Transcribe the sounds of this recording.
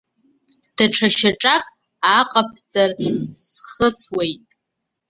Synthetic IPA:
d̥aʈ͡ʂʰaʃaʈ͡ʂʼakʼ | aqʼapʰd͡zʼarsχəswejtʼ

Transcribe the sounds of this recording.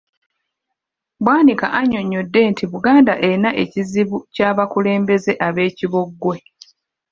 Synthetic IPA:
bwaːnikaʔaɲo̞ɲːo̞dːe̞ntʰiβuɡaːndaʔenaʔe̞ciziβucaːβakule̞ːmbe̞ze̞ʔaβe̞ːciβoɡːwe̞

